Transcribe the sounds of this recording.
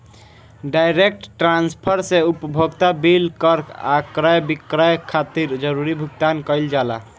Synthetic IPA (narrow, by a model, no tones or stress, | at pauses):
ɖajɾek̚ʈʈɾãnspʰəɾseupəbʱoɡt̪abilkəɾkʰa̰kɾajbikɾajkʰat̪iɾd͡ʒəɾuɾibʱuɡt̪ankəɪld͡ʒala̰